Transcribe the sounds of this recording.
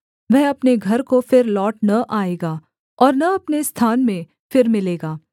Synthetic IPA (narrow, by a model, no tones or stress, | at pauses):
ʋɛɦɐpneɡʱɐɾkofɪɾlɔːʈnɐʔaːeːɡaː | ɔːɾnɐɐpnest̪ʰaːnmẽ | fɪɾmɪleːɡaː